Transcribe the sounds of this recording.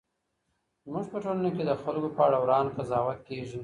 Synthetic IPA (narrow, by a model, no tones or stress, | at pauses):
zmuʒpəʈolanoked̪əxalɡopəaɽawɾɑnkazɑwat̪̚keʒu